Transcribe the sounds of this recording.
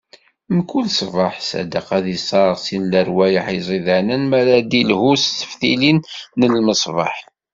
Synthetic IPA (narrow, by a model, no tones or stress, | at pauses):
mkːulsˤvɑħsæ̰d̪əqæðisˤɑɾˤʁsinləɾwæjəħizˤiðənənmæɾæd̪ilhusθə̥fθḭlinːəlməsˤvɑ̰ħ